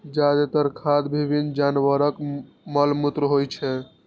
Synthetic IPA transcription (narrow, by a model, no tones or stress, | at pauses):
d͡ʒad̪et̪əɾkʰad̪bʱibʱind͡ʒanʋəɾək | məlmut̪ɾəɦojt͡ʃʰɛ